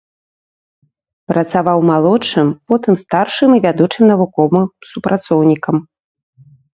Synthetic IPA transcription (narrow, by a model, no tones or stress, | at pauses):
pɾɐt̪savawmalˠɔt͡ʂɨmpɔt̪ɨmst̪arʂɨmivʲad̪ut͡ʂɨmnɐvukɔvɨsupɾʔat̪sɔwnʲikɐm